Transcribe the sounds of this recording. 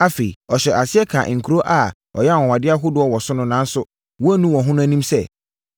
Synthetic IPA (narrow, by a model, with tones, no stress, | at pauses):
a˦fe˨i˨ɔ˨ɕᶣɛ˨ʔa˨sɪ˦ɛ˦kʰã̰˨ŋ̩˨kʰu˨ɾo˦ʔa˨ | ɔ̰˨jɛ˦˨wɔ̃˨wã˨dɪ˦a˦ɦʊ˦dʊ˦ɔ˦wɔ˨sʊ˦nʊ̃˦nã˨˦n̩˦sʊ˦ | wɔ˦æ˦nũ˦wɔ̃˨ɦʊ̃˦nʊ̃˦æ˦nĩ˦msɛ˦˨